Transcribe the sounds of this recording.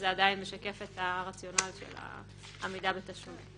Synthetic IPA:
zeadainmeʃake̞fetaʁat͡sjo̞naliʃḛla̰ | amidabetaʃonḭ

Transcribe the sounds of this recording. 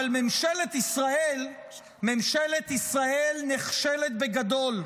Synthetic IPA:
lmemʃelet̪isʁael | memʃelet̪isʁaelneχʃele̞t̪be̞ɡad̪o̞l

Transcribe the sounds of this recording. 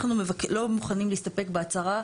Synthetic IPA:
χnumevklo̞muχanimliːst̪ape̞kbeat͡saʁa

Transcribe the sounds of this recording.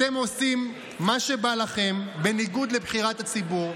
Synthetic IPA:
emo̞simː | aʃe̞balaχe̞mbe̞niɡud̪le̞bχiʁat̪at͡sibuʁ

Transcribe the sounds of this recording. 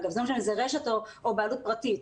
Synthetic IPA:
ɡavzɛmmaʃemzeʁeʃetoobaːlut̚pʁatit

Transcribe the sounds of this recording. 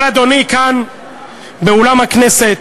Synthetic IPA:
lad̪o̞nikan | beolamhakneset

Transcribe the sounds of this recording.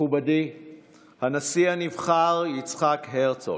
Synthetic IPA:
ubadi | hanasianivχaʁjit͡sχakɦeʁt͡so̰

